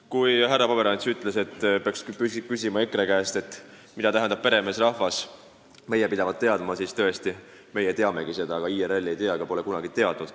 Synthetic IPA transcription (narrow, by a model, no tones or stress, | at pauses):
kujɦærːɑpɑbe̞ɾɑnʲt̪syt̪ːˑle̞se̞t̪ːpeɑksykysʲimɑekɾekæːst̪e̞t̪ːˑmid̪ɑt̪æɦɛnd̪ɑb̥̚pe̞ɾe̞mesrɑhvɑs | me̞jepid̪ɑvɑt̪̚t̪ːe̞ɑd̪̥mɑsiːst̪ɤ̞est̪i | me̞jet̪e̞ɑme̞ɡ̥ise̞d̪ɑɑɡ̥ɑiːeɾelːiejt̪eɑɡ̥ɑpo̞le̞kunɑɡ̥it̪e̞ɑd̪ːud̪̥